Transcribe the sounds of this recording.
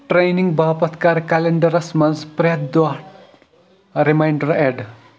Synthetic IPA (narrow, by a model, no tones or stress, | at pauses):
ʈɾejniŋɡbʱapɐt̪ʰkaɾkaleɳɖɐɾɐsmɐnzpɾjɐd̪d̪wa | ɾimajɳɖɐɾeɖ